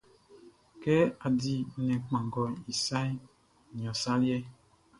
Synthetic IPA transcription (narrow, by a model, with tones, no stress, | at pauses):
kɛ˦a˨di˨nɛ̃˨k͡pã˨ŋ˨ɡɔ˨i˨sa˦i˦˨ | ɲ˨ɔ̃˨sa˦ljɛ˦